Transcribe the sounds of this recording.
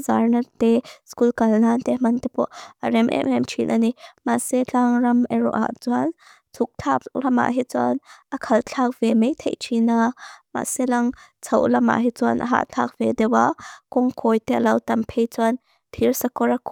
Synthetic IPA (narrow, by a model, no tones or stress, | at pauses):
zarnat̪ɛskulkɐlnaːnt̪ɛmɐnt̪ɛpɔʔʔaɾɛmʔɛ̰ɛmt͡ʃʰinʔa̰nimaʔsɛt͡ɬaŋrɐmɛɾɔ̰ʔa̰ʔt͡suan | t͡sʰuk̚t͡ɬʰaplɐma̰ʔɦit͡sɔanʔɐkʰɐlt͡ɬʰak̚v̥ɛmejt̪ʰḛjt͡ʃʰinama̰sɛlɐŋt͡sʰɐwʔlɐma̰ʔɦit͡sɔanʔa̰ɦa̰ʔt͡ɬʰak̚v̥ɛd̪ɛwakɔŋkʰɔjt̪ɛlɐwt̪ɐmpʰejt͡suan | t̪ʰirsɐkɔɾakʰ